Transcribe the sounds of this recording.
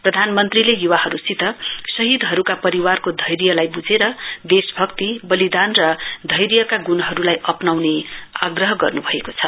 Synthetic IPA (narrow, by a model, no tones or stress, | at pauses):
prʌd̪ʱanmʌnt̪rilejuwahʌɾusit̪ʌsʌɦid̪ɦʌɾukapʌɾiwarkod̪ʱʌjɾjʌlajbud͡zeɾʌd̪esbʱʌkt̪ibʌlid̪anrʌd̪ʱʌjɾjʌkaɡunʌɦʌɾulajʔʌpnawneaɡrʌɦʌɡʌ̰rnubʱʌekot͡sʰʌ